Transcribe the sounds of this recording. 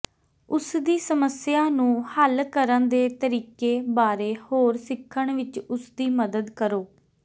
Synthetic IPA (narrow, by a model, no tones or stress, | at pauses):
ʊsd̪iːsəməsɪjaːnũːhəlkəɾənd̪eːt̪əɾiːkeːbaːɾeːhoːɾsɪkʰːəɳʋɪt͡ʃʊsd̪iːməd̪əd̪kəɾoː